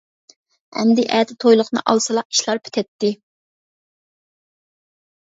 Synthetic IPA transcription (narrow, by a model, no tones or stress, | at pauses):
ɛ̰md̪ɪʔɛːt̪ʰɪt̪ʰojlˠʊqnɨ̰ʔɑ̰lˠsɨlˠɑqi̥ʃlˠɑɾpʰɪ̥t̪ʰɛt̪ːɪ